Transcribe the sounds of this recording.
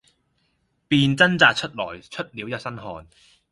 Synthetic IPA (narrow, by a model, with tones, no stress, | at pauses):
piː˧nt͡sɐ˥nt͡saː˨˧t̚t͡ʃʰɵ˥t̚lɔ̰ː˨˩jt͡ʃʰɵ˥t̚liː˨˧wjɐ˥t̚sɐ˥nɦɔː˧n